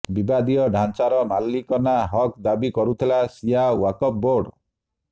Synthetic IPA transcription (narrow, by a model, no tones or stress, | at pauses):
bibad̪ijɔɖʱant͡ʃaɾɔmalːikɔnaɦɔkd̪abikɔɾut̪ʰilasijawakɔp̚boɾɖ